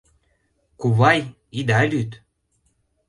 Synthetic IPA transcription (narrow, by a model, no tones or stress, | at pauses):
kuβɑj | id̪ɑlʲyt̪